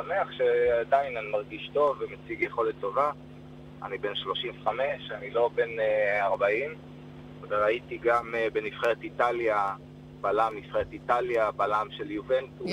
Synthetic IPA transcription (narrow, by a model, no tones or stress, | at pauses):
same̞aχʃeadainanimaʁɡiʃto̞vːemet͡siɡjeχo̞let̪ʰːo̞va | a̰nibe̞nʃlo̞ʃimveχame̞ʃanilo̞be̞neaʁbaim | veʁaitiɡambenifχeʁetitalja | b̥alamnifχeʁet̪italjabalamʃeljuventu